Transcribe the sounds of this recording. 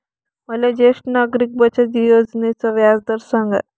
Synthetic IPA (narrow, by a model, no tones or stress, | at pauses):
məlad͡ʑeʂʈnaɡɾik̚bət͡ɕad̪ijod͡znet͡səʋjad͡zd̪əɾsãŋɡa̰